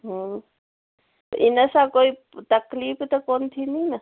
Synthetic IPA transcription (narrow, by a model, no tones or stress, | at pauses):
ɦ | ɪnəsakoi | t̪ɐkliːpt̪ɐkoːnt̪ʰininɐ